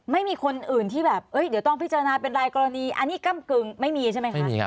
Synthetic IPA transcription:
ma˥˩jmiː˧kʰo˧nʔɯː˨˩nt̪ʰiː˥˩bɛː˨˩p̚ʔɤ˦˥jdi˩˦wt̪ɔ˥˩pi˦˥t̚t͡ɕa˧a˧naː˧pe˧nɾaː˧jkɔː˧ɾa˧niː˧ʔa̰˧nːiː˦˥ka˥˩mkɯ˧ŋma˥˩jmiː˧t͡ɕʰa˥˩ma˦˥ma˥˩jmḭː˧a̰˦˥

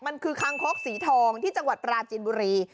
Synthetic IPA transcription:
ma˧nkʰɯː˧kʰa˧ŋkʰo˦˥k̚siː˩˦t̪ʰɔː˧ŋt̪ʰiː˥˩t͡ɕa˧ŋwa˨˩t̪̚pɾaː˧t͡ɕiː˧nbuː˧ɾiː˧

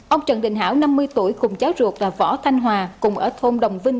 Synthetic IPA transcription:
ʔə˧wŋ͡mt͡ɕə̰˧˨nɗï˧˨ŋ̟ɦa̰ː˧˥˩wna˧mːɨ˧əjt̪u˧˩əjkʊ˨˩ŋ͡mzaː˨˦wzu˨˩ək̚la̰ː˧˩vɔ̰˧˥t̪ʰa˧jŋ̟ɦwaː˨˩kʊ˨˩ŋ͡mʔəː˧˩t̪ʰo˧mɗə˨˩wŋ͡mvï˧ŋ

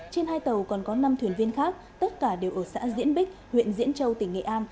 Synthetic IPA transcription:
t͡ɕe˧nhaː˧jt̪ə˨˩wkɔ˨˩nkɔ˨˦na˧mt̪ʰwi˧˩ənvi˧ənxaː˦˥k̚t̪ə˦˥t̚kaː˧˩ɗe˨˩wʔəː˧˩sa̰ː˧˥zḭ˧˥ənɓï˦˥k̟̚hwḭ˧˨nzḭ˧˥nt͡ɕə˧wt̪ï˨˩ŋ̟ŋḛ˧˨ʔaː˧n

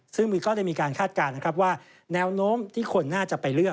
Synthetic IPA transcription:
sɯ˥˩ŋmiː˧˩kɔː˥˩ɾa˥˩jmiː˧kaː˧nkʰaː˥˩t̪̚kaː˧nːa˥kʰɾa˦˥p̚waː˥˩ | nɛː˦˥wnoː˦˥mt̪ʰiː˥˩kʰo˧nːaː˥˩t͡ɕa˨˩pa˧jlɯ˥˩ək̚

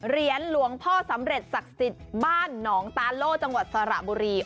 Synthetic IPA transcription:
ɾi˧ənlu˨˩˦əŋpʰɔː˥˩sa˩˦mɾe˨˩t̪̚sa˨˩k̚si˨˩t̪̚baː˥˩nːɔː˩˦ŋt̪aː˧nloː˥˩k̚t͡ɕa˧ŋwa˨˩t̪̚sa˧ɾa̰˨˩ʔbuː˧ɾiː˧

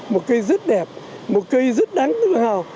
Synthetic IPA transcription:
mo˨˩t̚kə˧jzə˦˥t̚ɗɛ˨˩p̚ | mo˨˩t̚kə˧jzə˦˥t̚ɗa˨˦ŋt̪ɨ˨˦ɓa˨˩ŋhɦa˨˩w

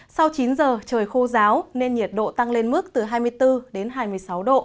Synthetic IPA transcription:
sa˧wt͡ɕi˨˦nzəː˨˩t͡ɕəː˨˩jxo˧zaː˨˦wne˧nɲi˨˩ət̚ɗo̰˧˨t̪a˧ŋle˧nmɨ˦˥ək̚t̪ɨ˨˩ɦaː˧jmɨ˧jt̪ɨ˧ɗe˨˦nɦaː˧jmɨ˧əjsa˨˦wɗo̰˧˨

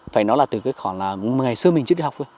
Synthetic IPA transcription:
faː˧˩jnɔ˨˦jlaː˨˩t̪ɨ˨˩kaː˨˦jxwɔ˧˩nlaː˨˩˨ŋa˨˩jsɨ˧əmï˨˩ŋɨ˦˥ɗi˧hk͡p̚ʔə˧˦

